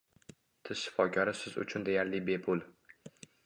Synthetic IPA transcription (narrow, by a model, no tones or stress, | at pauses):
t̪ʰɪz̥ʃɪ̥fɒkʰʲɒɾɪsɪzʊ̰t͡ʃʰʊnd̪e̞jaɾlɪbe̞pʰʊl